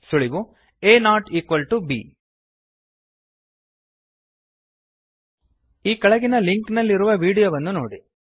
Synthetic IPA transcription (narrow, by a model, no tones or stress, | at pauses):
suɭiʋu | eːnaːʈiːkʋɐlʈubḭ | iːkɐɭɐɡinɐliŋknɐlːiɾuʋɐʋiːɽijoʋɐnːunoːɽi